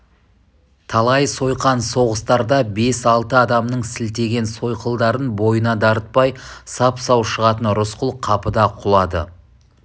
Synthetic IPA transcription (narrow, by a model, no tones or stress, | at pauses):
t̪ʰɑlˠɑjso̞jqɑnso̞ʁəst̪ɑɾd̪ɑbe̞sɑlˠt̪əɑd̪ɑmnəɴsɪlt̪e̞ɡʲe̞nso̞jqəlˠd̪ɑɾənbo̞jənɑd̪ɑɾət̪̚pɑjsɑpsɑwʃəʁɑt̪ənɾʊsqʊlˠqʰɑpəd̪ɑqʰʊlˠɑd̪ə̰